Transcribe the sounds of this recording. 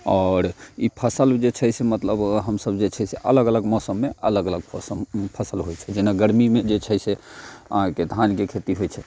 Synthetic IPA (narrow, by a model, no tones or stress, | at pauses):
ɔːɾipʰəsəld͡ʒet͡ʃʰɛjsemət̪ləbɦəmsəbd͡ʒet͡ʃʰɛseʔələɡələɡmɔsəmːeələɡələɡ̚pʰɔsəmpʰəsəlɦojt͡ʃʰɛd͡ʒenaɡəɾmimed͡ʒet͡ʃʰəjseə̰ɦãked̪ʱãnkekʰet̪iɦojt͡ʃʰɛ